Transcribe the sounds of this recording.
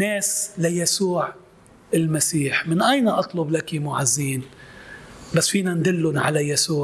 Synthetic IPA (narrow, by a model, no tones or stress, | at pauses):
neːslajasuːʕ | ɪlmasiːħmɪnʔajnaʔɑt̪ˤlʊblakimʊʕazːiːn | basːfiːnand̪ɪlːʊnʕa̰lajasuːʕ